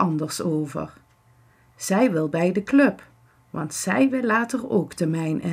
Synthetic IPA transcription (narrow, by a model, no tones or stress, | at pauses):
ɑndəɹsowvə̰ɹ | z̥ɛjʋɪlˠbɛjdəklɵp | ʋɑ̰ntsɛjʋɪlːaːtəro̰wktəmɛjnʔɪ